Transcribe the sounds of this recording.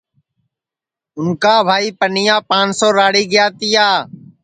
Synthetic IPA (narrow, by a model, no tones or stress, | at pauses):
ʊnkaːbʱaːiːpənɪjãːpãːnsoːɾaːɽiːɡɪjaːt̪ɪjaː